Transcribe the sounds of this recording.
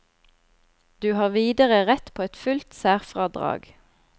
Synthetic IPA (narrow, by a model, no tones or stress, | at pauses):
d̪̥ʉːhɑːʁʋiːd̪əʁəʁɛt̪pʰoːɛt̪fʉlt̪sæːʁfʁɑːd̪ʁɑ̰ːɡ